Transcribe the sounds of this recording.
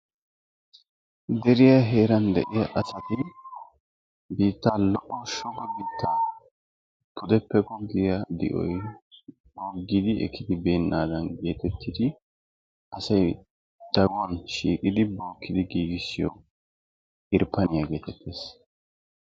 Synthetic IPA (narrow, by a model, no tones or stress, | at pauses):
d̪ɛɾɪjɐɦe̞ːɾɐnd̪ɛ̰ʔɪjɐʔɐsɐt̪ɪ | biːt̪ːaːlɔʔːɔʃɔɡɔbiːt̪ʰːaː | pʰʊd̪ɛpːɛkɔɡɪjɐd̪ɪ̰ʔɔ̰j | boːɡːɪd̪ɪʔɛ̰kʰːɪd̪ɪbeːnːʔaːd̪ɐnɡe̞ːt̪ɛt̪ʰːɪd̪ɪ | ʔɐsɐj | d̪̥ɐɡwɐnʃiːkʼɪd̪ɪboːkːɪd̪ɪɡiːɡɪsːɪjɔ̰ | ʔɪɾpːɐnɪjɐɡe̞ːt̪ɛt̪ʰːe̞ːs